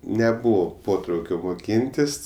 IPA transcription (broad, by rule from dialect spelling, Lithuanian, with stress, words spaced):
nʲɛˈbuːʋoː ˈpoːtrɐʊkʲoː moːˈkʲiːnʲtʲɪs